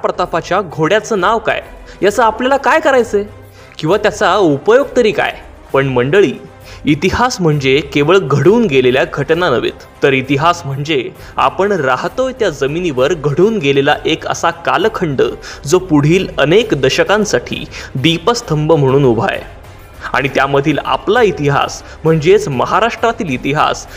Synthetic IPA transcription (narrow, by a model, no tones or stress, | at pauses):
japɾət̪apat͡ɕjaɡʱoɽjat͡səːnaʋka̰jjat͡səːapljalakajkəɾajt͡se | kĩw̃ʋat̪jat͡saupəjoɡt̪əɾiːka̰j | pəɳməɳɖəɭiː | t̪iɦasm̤əɳd͡zekeʋəɭɡʱəɽuːnɡeleljaɡʱəʈnanəʋḛt̪ːəɾit̪iɦasm̤əɳd͡ze | a̰pəɳɾaɦt̪ojt̪jad͡zəminiʋəɾɡʱəɽuːnɡelelaʔekə̰sakalkʰəɳɖə̰ːd͡zopuɽ̤iːlənekd̪əɕəkãnsaʈʰḭːd̪ipəst̪ʰəmbəm̤əɽ̃uːnubʱa̰j | a̰ɽ̃it̪jaməd̪ʱiːla̰plait̪iɦa̰s | m̤əɳd͡zet͡sməɦaɾaʂʈɾat̪iːlit̪iɦa̰s